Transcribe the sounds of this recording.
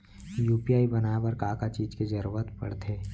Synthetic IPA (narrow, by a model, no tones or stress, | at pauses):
juːpiaːibɐnabɐɾkaːkat͡ʃiːd͡ʒked͡ʒɐɾuːɾət̪pɐ̰ɽt̪ʰeː